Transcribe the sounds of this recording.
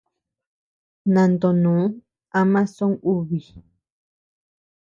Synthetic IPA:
nã˨nd̪o˨nũː˨˦ | a˦mã˦sõ˦ŋu˦βi˨

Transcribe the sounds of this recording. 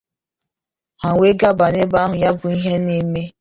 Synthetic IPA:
ha˨we˦ɡa˦ba˨ne˦ba˦ɦʊ˨ja˦bʊ˨i˦ɦe˦ne˦me˦

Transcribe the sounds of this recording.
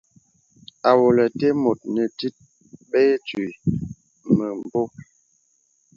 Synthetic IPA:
a˨wo˨lə˨te˦mo˨t̚nə˨ti˦t̚ | ɓe˦t͡si˨ | mə˨m˨bo˦

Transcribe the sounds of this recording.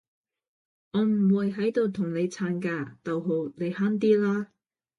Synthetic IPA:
ŋɔː˨˧m̩˨˩wuː˨˧jɦɐ˨˥jt̪o˧wt̪ʰʊ˨˩ŋne˨˧jt͡sʰaː˨˧˥nkaː˧t̪ɐ˨wɦo˨˧wne˨˧jhaː˥nt̪̬iː˥laː˥

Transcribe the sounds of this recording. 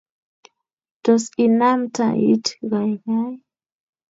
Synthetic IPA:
d̥ɔ˨si˨na˦mtʰa̰˨ḭ˦tɣa˨jɣa˦j

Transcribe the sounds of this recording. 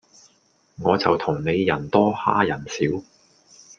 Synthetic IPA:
ŋɔː˨˧t͡sɐ˨wt̪ʰʊ˨˩ŋne˨˧jːɐ˨˩nt̪ɔː˥ha̰ː˥jɐ˨˩nsiː˨˥w

